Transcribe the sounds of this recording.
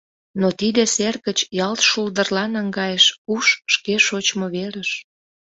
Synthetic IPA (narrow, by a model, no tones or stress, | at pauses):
not̪id̪eserɣət͡ɕjɑlt̪ʃuld̪ərlɑnɑŋɡɑjəʃuʃːkeʃot͡ɕmoβeɾəʃ